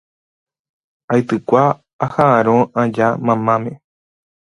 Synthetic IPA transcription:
ajt̪ɨkʷaː | haaɾ̃õãd͡ʒamãmãmẽ

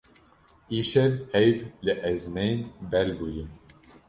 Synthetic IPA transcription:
iʃɛɾhɛjvlɨʔɛzmejnbɛlbujɨ

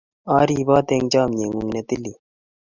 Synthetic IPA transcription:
ɑːɾiːbɑːt̪eːŋd͡ʑaːmɲeŋuŋnet̪ili

